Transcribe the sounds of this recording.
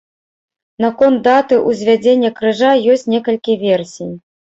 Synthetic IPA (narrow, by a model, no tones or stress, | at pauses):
nɐkɔnt̪̚d̪at̪ɨʔuzʲvʲad͡zʲenʲːɐkɾɨʐajɔsʲt͡sʲnʲɛkɐlʲkʲivʲɛrsʲij